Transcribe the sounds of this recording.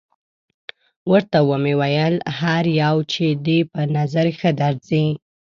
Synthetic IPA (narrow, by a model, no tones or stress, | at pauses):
wəɾt̪awəmewajəlhaɾjawt͡ʃed̪epənazaɾxəd̪aɾzi